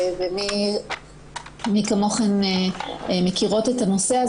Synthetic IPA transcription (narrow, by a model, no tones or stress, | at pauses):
vemi | mikamo̞χen | mekiʁo̞tetano̞se̞a